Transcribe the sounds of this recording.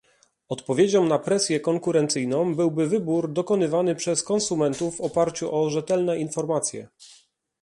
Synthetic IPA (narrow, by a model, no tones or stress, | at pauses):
ɔt̪pɔvʲjed͡ʑɔmnapɾɛsʲjɛkɔŋkuɾɛnt̪sɘjnɔ̃m̃bɘwbɘvɘbuɾd̪ɔkɔnɘvanɘpʂɛskɔnsumɛnt̪uvːɔpaɾt͡ɕuʔɔʐɛt̪ɛlnɛinfɔɾmat̪sʲjɛ̰